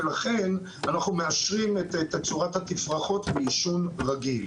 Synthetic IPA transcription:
elaχe̞n | anaχnume̞aʃʁimet̪et̪at͡suʁathat̪ifʁaχo̞t̪beːʃunʁaɡil

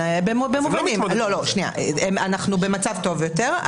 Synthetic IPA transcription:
bembemuvanimlo̞lo̞ʃnia̰ʔemanaχnube̞mat͡savt̪o̞vjot̪eʁ

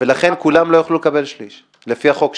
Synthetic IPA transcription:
velaχe̞nkulamlo̞joχlulekabe̞lʃliʃ | lefiaχo̞k

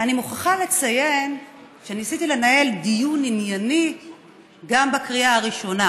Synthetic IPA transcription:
animuχaχale̞t͡saje̞nʃeanisit̪ile̞nae̞ldijuninjani | ɡambakʁiaaʁiʃo̞na

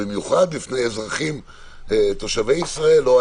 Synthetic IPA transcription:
imjuχad̪lifnejezʁaχim | t̪oʃave̞jisʁae̞lːoa

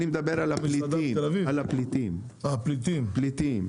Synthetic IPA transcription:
nimed̪abeʁalapliielavivalaplit̪im | aplit̪implit̪im

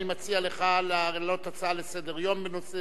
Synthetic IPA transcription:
nimat͡sialeχalaelot̪at͡saalesed̪eʁjo̞mbenose

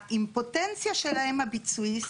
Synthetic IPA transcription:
ʔimpot̪ɛnt͡sjaʃelahemabit͡suis

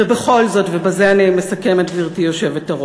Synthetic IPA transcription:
ebe̞χo̞lzo̞tve̞baze̞anime̞sake̞matviʁtijo̞ʃe̞vetaʁ

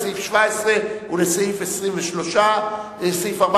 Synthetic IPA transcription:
seifʃvaesʁeuleseifesʁimveʃloʃa | eseifaʁba

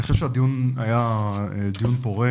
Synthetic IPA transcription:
niχoʃevʃead̪ijunajaed̪ijunpoʁe

